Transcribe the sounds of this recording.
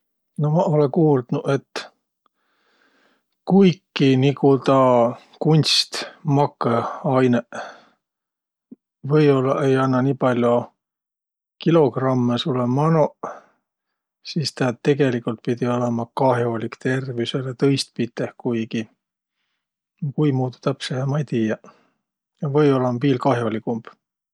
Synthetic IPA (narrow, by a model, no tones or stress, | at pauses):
no̞mɑo̞lekuːld̪̥nuʔe̞t̪ː | kujkːinikut̪ɑ | kunʲst̪mɑkːˑeɑjne | vɤjo̞lːɑe̞jɑnːɑniːpɑlʲjo | kilo̞ɡrɑmːesulemɑno | siːst̪ɑt̪e̞ɡ̥e̞likult̪̚pid̪io̞lemɑkɑɦjo̞lʲikt̪e̞rviselet̪ɤjst̪̚pit̪ːˑehkujɡi | kujmuːd̪u̥t̪æpsehemɑjt̪iːjɑ | jɑvɤjo̞lːɑmobiːlkɑɦjo̞likumb̥